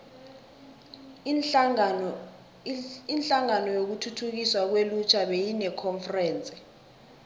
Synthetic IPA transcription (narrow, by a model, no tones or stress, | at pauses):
inɬaŋanɔjok̬utʰutʰuk̬iswak̬welut͡ʃʰaɓejinɛkʰɔɱfrɛːnt͡sʼi̥